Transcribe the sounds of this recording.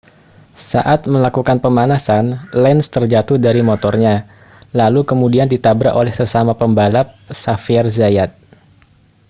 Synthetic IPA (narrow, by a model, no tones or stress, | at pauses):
saʔat̪̚məlakukanpəmanasanlɛnst̪ərd͡ʒat̪ʊhdaɾimot̪ɔrɲa | lalukəmudiandit̪abɾaʔolɛhsəsamapəmbalap̚safiɛrzajat̪̚